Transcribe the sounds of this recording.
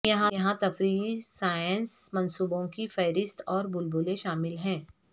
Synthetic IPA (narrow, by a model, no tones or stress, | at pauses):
jɐɦãjɐɦãt̪ɐfɾiːsaːjənsmɐ̃nsuːbõkifɛːɾɪst̪ɔːɾbʊlbʊːleʃaːmɪlɦɛ̃ː